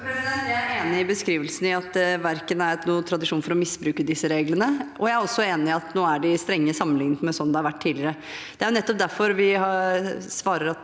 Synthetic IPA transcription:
eːnɪɪbəskɾiːʋəlsn̩ɪɑt̪ʋæɾkənæɾnuːət̪ʰɾɑd̪ɪʂuːnfɔɾɔmɪsːbɾʉːkəd̪ɪsːəɾeːɡlənəʔɔjæɪæɾɔsːɔeːnɪɪɑt̪noːæɖɪst̪ɾɛŋːəsɑmːənlɪŋənmɛsɔnːd̪ɛhɑɾʋæʈ̪ʰːiːdlɪɾə | d̪̥ɛæɾjʊnɛt̪ːɔp̚d̪æɾfɔɾʋɪhɑsʋɑːɾəɾɑt̪

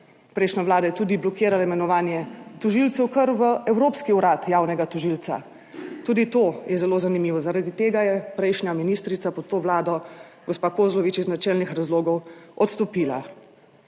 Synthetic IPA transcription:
pɾɛjʃnʲaʋlaːd̪ajɛt̪uːd̪iblɔkeːɾalaimɛnɔʋaːnjɛt̪ɔʒilt̪sɛwkəɾʋəɛwɾoːpskiuɾaːt̪jaːwnɛɡat̪ɔʒilt̪sa̰ | t̪uːd̪it̪oːjɛzɛloːzanimiːʋɔzaɾad̪it̪eːɡajɛpɾɛjʃnʲjaminiːst̪ɾit̪sapɔt̪ːoːʋlaːd̪ɔ | ɡɔspaːkoːzlɔʋit͡ʃiznat͡ʃɛlnixɾazloːɡɔwɔt̪st̪ɔpiːla

